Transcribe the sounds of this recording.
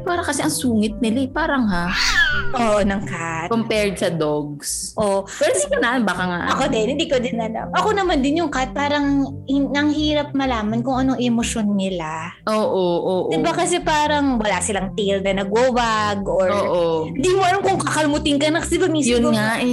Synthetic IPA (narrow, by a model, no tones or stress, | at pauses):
paːɾɐŋkɐsɛʔɐŋsuːŋɪt̪̚nɪlaɛpaːɾɐŋhaʔoːʔonɐŋkat̪kompɛɹd̪̚sɐd̪oɡ̚s | ʔopɛɾosɪkonanbaːkɐŋa̰ʔʔɐkod̪ɪnhɪ̃nd̪iːkod̪ɪnɐlɐ̰mʔɐko̞nɐmand̪ɪnjʊŋkat̪̚paːɾɐŋ | hɪɐŋɦiːɾɐp̚mɐlaːmɐnkʊŋʔɐnoŋʔɛmoʃo̞nːɪla | ʔoːʔoʔoːʔ̪ɪbakɐsɛpaːɾɐŋwɐlasɪlɐŋt̪ilnɐnɐɡoːbaɡʔoɹoːʔoɪnd̪iːmoɐnɐmkʊŋkɐkɐlʊmʊt̪ɪnŋkɐnɐkɐsbamiːsjʊnŋaʔɛ